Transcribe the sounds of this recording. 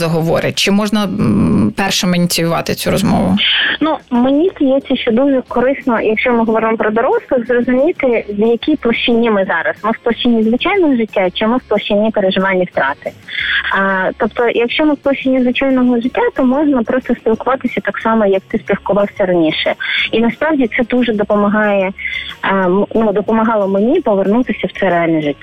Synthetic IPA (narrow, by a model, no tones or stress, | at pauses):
zɐɦɔʋɔɾɪt͡ʃɪmɔʒnɐpɛrʃɛmɐnʲit͡sʲijʊʋɑ̰t̪ɪt͡sʲuɾɔzmɔ̰ʋʊ̰numenʲidʲijɛt͡sʲːɐʃt͡ʃɔd̪uʒɛkɔɾɪsnɔjɐkʃt͡ʃɔmɪɦɔʋɔɾɪmɔpɾɔd̪ɔɾɔslˠɪxzrɔzʊmʲijt̪ɪwjɐkʲijplˠɐʃt͡ʃinʲːimɪzɑɾɐsmɪsplˠɐʃt͡ʃɪnʲːizʋɪt͡ʃɑjnɔɦɔʐɪtʲːat͡ʃɪmɪwplˠɐʃt͡ʃɪnʲːipeɾeʒɪʋɑlʲnʲːiwt̪ɾɑt̪ɪ | t̪ɔpt̪ɔjɐkʃt͡ʃɔmɪwplˠɔʃt͡ʃʲːinʲːizʋɪt͡ʃajnɔɦɔʒɪtʲːat̪ɔmɔʒnɐpɾɔst̪ɔspʲilˠkʊʋɑt̪ɪsʲɐt̪ɑksɑmɔjɐk̚t̪ɪsʲpʲilkʊʋɑwsʲɐɾɐnʲiʃɛinɐspɾɑwdʲit̪sɛd̪uʐɛd̪ɔpɔmɐɦɑjɛ | mnud̪ɔpɔmɐɦɑlˠɔmenʲipɔʋernut̪ɪsʲɐwt̪sɛɾealʲnɛʒɪtʲːa